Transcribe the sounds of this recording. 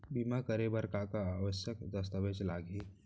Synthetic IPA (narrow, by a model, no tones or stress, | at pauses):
bimakəɾebəɾkakaaʋəʃjəkd̪əst̪əʋet͡ʃlaːɡʱeː